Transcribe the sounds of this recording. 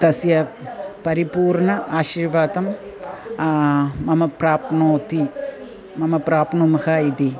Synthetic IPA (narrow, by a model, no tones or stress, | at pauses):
t̪ɐsjɐpɐɾipuːɾɳɐaːʃiɾʋaːt̪ɐm | ɐmɐpɾaːpnoːt̪i | mɐmɐpɾaːpnumɐhɐid̪i